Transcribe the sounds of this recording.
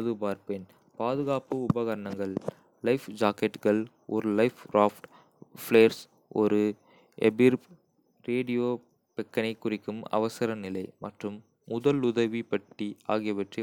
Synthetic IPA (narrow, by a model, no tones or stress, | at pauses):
ðɯbaːɾpen | paːðɯɣaːpɯʊbɐɣɐɾɐɳɐŋɡɐɭː | ɐɪfd͡ʒaːkɛʈɣɐɭ | ɔɾɯlɐɪfɾaːfʈ | fleːɐɾs | ɔɾɯ | ɛbɪɾ | ɾeːɽɪjoː | pɛkːɐnɐɪkːʊrɪkːɯmɐ̰ʋɐsɐɾɐnɪlɐɪmɐʈrɯmː | ʊðɐlʊðɐʋipɐʈːia̰ːɣɪjɐpɐʈri